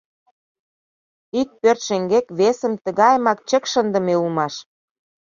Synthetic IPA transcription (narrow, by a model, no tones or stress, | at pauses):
ik̚pørt̪ʃeŋɡekβesə̆mt̪ə̆ɣɑjmɑkt͡ɕə̆kʃənd̪ə̆meulmɑʃ